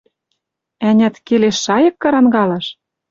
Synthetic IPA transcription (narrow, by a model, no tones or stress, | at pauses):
ænʲæt̪keleʃːɑjɤ̆kːɤ̆ɾɑnɡɑlɤ̆ʃ